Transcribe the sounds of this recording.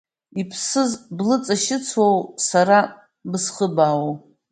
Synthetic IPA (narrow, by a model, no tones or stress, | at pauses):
ipʰsɨzblɨt͡sʼaʃɪt͡sʰwowsaɾa | bɨsχəbaːwo